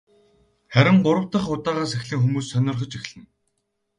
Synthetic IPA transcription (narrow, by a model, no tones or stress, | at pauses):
χæɾʲɪ̆ŋɢʊɾə̆wt̪ə̆χʊt̪aːʁaːsexɮiːŋxumuːsːœnʲɞ̆rχə̆t͡ɕixɮɘ̆n